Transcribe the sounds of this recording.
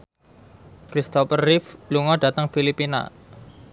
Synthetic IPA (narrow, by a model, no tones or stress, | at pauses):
kɾist̪ɔpərːɪfluŋɔɖ̥a̤t̪əŋfilipina̰